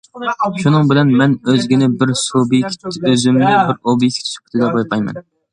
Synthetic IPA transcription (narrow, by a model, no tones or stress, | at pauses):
ʃunɨŋbɪlɛnmɛnøzɡʲinɪbɪɾsobik̪ʲʰøzymnɪbɪɾobijkʲʰi̥t͡ʃ̪ʰi̥t͡ʃʰɪ̥kʰʲy̥t̪ʰɪd̪ɛqojqʰɑjmɛ̰n